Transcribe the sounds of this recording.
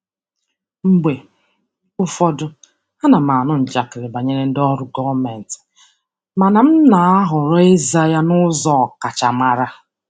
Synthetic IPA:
m̩˦ɡ͡be˨ | ʊ˦fɔ˦dʊ˦ | a˦na˨ma˨nʊ˦n̩˨d͡ʒa˨kɪ˨ɾɪ˨ba˨ɲe˦ɾe˦n̩˦dɔ˦ɾʊ˦ɡɔ˦me˨n̩˨tɪ̥˨ | ma˨na˨m̩˦na˨a˦ɦʊ˨ɾɔ˦e˦za˦ja˦nʊ˦zɔ˦˨ka˨t͡ʃa˨ma˨ɾa˦

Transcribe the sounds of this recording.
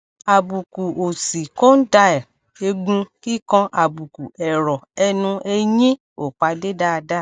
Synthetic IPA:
a˨bu˨ku˨o˨si˨ko˦n̩˦da˧˦ɛ˨ | e˧ɡ͡bũ˧ki˦kɔ̃˧ʔa˨bu˨ku˨ɛ˨ɾɔ˨ɛ˧nũ˧ɛ˧jĩ˦ | o˨k͡pa˨˧de˦da˦˧da˦˨

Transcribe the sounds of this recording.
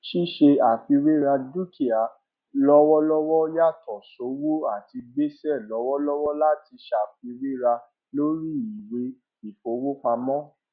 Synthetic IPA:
ʃi˦ʃe˧a˨fi˧ɾe˦ɾa˧du˦ki˨a˨ | lɔ˦wɔ˦lɔ˦wɔ˦ja˦˨tɔ˨so˨˦wo˦a˦˨ti˧ɡ͡be˦sɛ˦˨lɔ˨˦wɔ˦lɔ˦wɔ˦la˦˨ti˧ʃa˨fi˧ɾe˦ɾa˧ | lo˦ɾi˦i˨we˧ | i˨fo˨˦wo˦k͡pa˧mɔ̃˦

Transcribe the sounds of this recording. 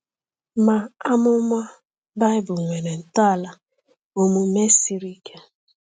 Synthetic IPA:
ma˨a˦mʊ˦m˦a˦ | ba˦ɪ˦bʊ˨ŋʷe˨ne˨n̩˨ta˦˨la˨ | o˦mu˨me˦si˦ɾi˦kʰe˦

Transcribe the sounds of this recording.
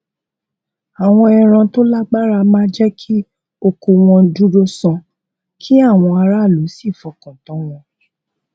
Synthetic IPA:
a˨w̃ɔ̃˧ɛ˧ɾ̃ã˧to˦la˦ɡ͡ba˦ɾa˧mãː˦d͡ʒɛ˦kʰi˦ | o˧ko˧w̃ɔ̃˧du˦ɾo˦sã˧ | kʰi˦a˦˨w̃ɔ̃˧a˧ɾa˦˨lu˨˦si˦˨fɔ˨˦kã˨tɔ̃˨˦w̃ɔ̃˧

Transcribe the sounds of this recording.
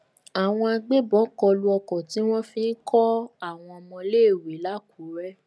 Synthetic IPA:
a˨w̃ɔ̃˧a˧ɡ͡be˦bɔ˨˦kɔ˧lu˧ɔ˧kɔ˨ti˨˦w̃ɔ̃˦fĩ˦n̩˦kɔ˦a˦˨w̃ɔ̃˧ɔ˧mɔ̃˧le˦˨we˨˦la˦ku˨˦ɾɛ˦

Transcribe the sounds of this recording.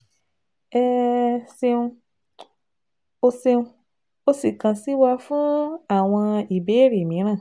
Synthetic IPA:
ɛ˦˧se˧ũ˧ | o˧se˧ũ˧ | o˧si˨kã˨si˨˦wa˧fũ˦a˦˨w̃ɔ̃˧i˨be˨˦ɾi˨mĩ˨˦ɾ̃ãː˦˨

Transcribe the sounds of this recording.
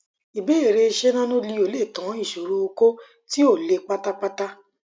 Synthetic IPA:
i˨be˦e˦˨ɾe˧ʃe˦nã˦nũ˦li˧o˨le˦˨tã˨˦i˦˨ʃo˨ɾo˧o˧ko˦ | ti˦o˦˨le˧k͡pa˦ta˦k͡pa˦ta˦

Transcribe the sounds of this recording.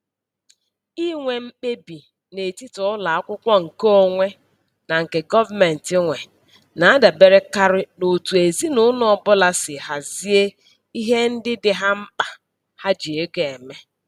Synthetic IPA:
i˦ŋʷe˨m̩˦k͡pe˦bi˨ | ne˨ti˦tʊ˨ʊ˦la˨a˦kʷʊ˦kʷɔ˦ŋ̩˨ko˦o˦ŋʷe˦ | na˨ŋ̩˨ke˨ɡɔ˦va˦me˨n̩˨tɪ˦ŋʷe˨ | na˨a˦da˨be˨ɾe˦ka˦ɾɪ˦no˨tu˨e˨zi˦nʊ˦nɔ˨ɔ˨bʊ˦la˦sɪ˨ha˨zi˦e˦ | i˦ɦe˦n̩˦dɪ˦dɪ˨ɦa˦m̩˦k͡pa˨ | ha˦d͡ʒi˨e˦ɡe˨me˦

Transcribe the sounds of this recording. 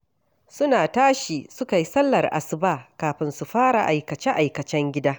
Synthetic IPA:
sʊ˦naː˨taː˦ʃiː˨sʊ˦ka˨ji˦sɐ˦lːɐ˨rʔa̰˨sɪ˦baː˦˨kaː˨ɸɪ˨nsu˨ɸaː˦ɽa̰˨ʔa˨jkɐ˨t͡ʃɛ˦ʔa˨jkɐ˨t͡ʃɛ˦ŋɡʲɪ˦daː˦

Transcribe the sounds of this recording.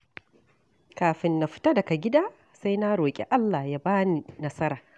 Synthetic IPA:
kaː˨ɸɪ˨nːa˨ɸɪ̥˦ta˦dɐ˨ka˨ɡʲɪ˦daː˦ | sa˦jna˦ɽoː˨kʲʼḛ˨ʔa˦lːa˨ja˦baː˦ni˨nɐ˦sɐ˦ɾaː˨

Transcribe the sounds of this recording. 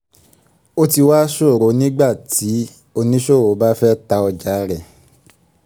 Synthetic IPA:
o˦ti˧waː˦ʃo˦˨ɾo˨˦nĩ˦ɡ͡ba˦˨ti˨˦ | o˧nĩ˦ʃo˦˨ɾo˨˦ba˦fɛ˦ta˧ɔ˧d͡ʒa˨˦ɾɛ˨

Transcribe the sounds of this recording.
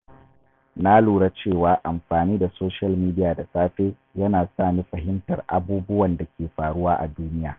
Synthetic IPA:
na˦luː˨ɽa˦t͡ʃeː˦˨waː˨ʔa˨mɸaː˨niː˦da˨soː˦ʃɐ˦lmiː˦dɪ˦jaː˨da˨sʼaː˦ɸeː˦ | jɐ˦naː˨saː˦˨mi˦ɸɐ˨ɦɪ˦mtɐ˨rʔa̰˨buː˦bʊ˦wɐ˨nda˨kʲeː˨ɸaː˨ɽʊ˦waː˦ʔa̰˨duː˦nɪ˦jaː˨

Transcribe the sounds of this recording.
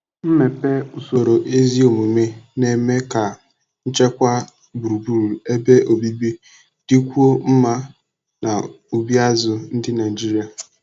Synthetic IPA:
m̩˦me˨pe˦u˨so˨ɾo˨ʔe˦zi˦o˨mu˨me˦ne˨me˦ka˨ | n̩˦t͡ʃe˦kʷa˦ | bu˨u˨bu˨ɾe˦be˦ʔo˨bi˦bi˦ | d̥i˦kʷu˦o˦m̩˦ma˦ | na˨ | u˨bi˦a˦zʊ˨n̩˦dɪ˦na˨i˨d͡ʒi˦ɾi˨a˨

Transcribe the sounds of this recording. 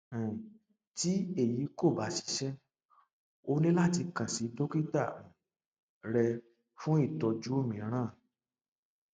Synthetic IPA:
ti˦e˦˨ji˨˦ko˦˨ba˨˦ʃi̥˨˧ʃɛ˦ | o˧nĩ˦la˦˨ti˧kã˨si˨˦do˦ki˦ta˦˨ũ˨ | ɾɛ˧ | fũ˦i˦˨tɔ˧d͡ʒu˦o˦˨mĩ˨˦ɾ̃ã˦˨

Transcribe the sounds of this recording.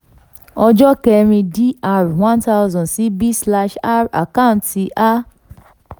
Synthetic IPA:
ɔ˧d͡ʒɔ˦kɛ˧ɾ̃ĩ˧di˦a˧ɾwã˦nta˦˧zɔ̃˨si˨˦bi˦sla˦ʃa˦ɾa̰˨kã˦˨nti˧ʔa˦

